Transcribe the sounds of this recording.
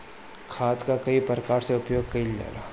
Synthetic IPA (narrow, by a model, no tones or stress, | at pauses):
kʰaːt̪kakɐipɾəkaːɾseʊpjoːɡ̚kɐild͡ʒa̰ːla̰ː